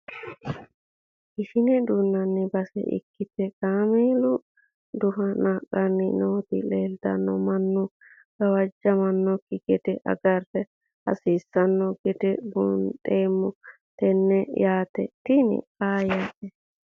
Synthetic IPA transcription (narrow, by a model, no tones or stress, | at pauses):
ʔɪʃɪnɛd̪unːɐnːɪbɐsɛ̰ʔɪ̰kːɪt̪ɛkʼaːmeːlʊ | d̪ʊɦɐnaːkʼːɐnːɪnoːt̪ɪ̰leːld̪ɐ̰nːɔmɐnːʊ | ɡ̥ɐwɐd͡ʒːɐmɐnːɔkːɪɡɛt̪ɛʔɐ̰ɡɐrːɛ | ɐ̰siːsːɐnːɔɡɛt̪ɛbʊntʼeːmːʊ | t̪ɛnːɛjaːt̪ɛt̪ɪnɪ̰kaːjat̪ːɛ